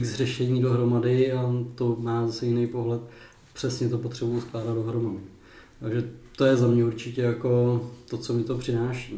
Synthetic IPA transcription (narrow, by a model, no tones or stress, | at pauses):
ɡzrɛʃɛɲiːdo̞ɦɾo̞madɪat̪o̞maːzasɛjɪnejpo̞ɦlɛt̪̚ | pr̝̥ɛsɲɛt̪o̞pot̪r̥ɛbujusklaːdad̪do̞ɦɾo̞madɪ | t̪aɡʒɛt̪o̞jɛzamɲɛuɾt͡ʃɪcɛjako̞t̪o̞t͡so̞mɪt̪o̞pr̝̥ɪnaːʃi